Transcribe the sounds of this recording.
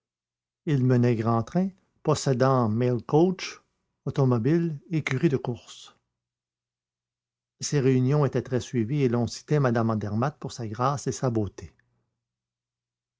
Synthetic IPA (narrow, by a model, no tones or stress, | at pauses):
ilmənɛɡʁɑ̃t̪ʁɛ̃ | pɔsed̪ɑ̃mɛlkɔt͡ʃ | ot̪ɔmɔbilekʲyʁid̪əkʊʁs | seʁeynjɔ̃et̪ɛt̪ʁɛsɥivielɔ̃si̥t̪ɛmad̪amɑ̃d̪ɛʁmat̪̚puʁsaɡʁaːsesaboːt̪ʰe